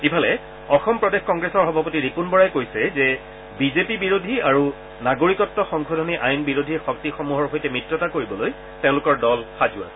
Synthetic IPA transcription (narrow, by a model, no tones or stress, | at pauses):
ipʰalɛ | ɔxɔmpɹɔdexkɔŋɡɹesɔɹxɔbʱapotiɹipunbɔɹajkojsɛzɛ | bizepibiɹodʱiaɹu | naɡoɹikɔtːɔxɔŋkʰɔdʱɔniʔajnbiɹodʱixɔktixɔmuɦɔɹɦojtɛmɹitɹɔtakoɹibɔloj | tẽʊ̃lʊkɔɹdɔlxazʊa̰